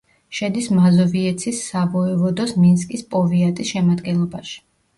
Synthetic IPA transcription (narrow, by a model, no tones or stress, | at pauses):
ʃɛd̪ismazɔviɛt̪sʰisːabɔɛvɔd̪ɔsminskʼispʼɔviat̪ʼisʃɛmad̪ɡɛnlˠɔbaʃi̥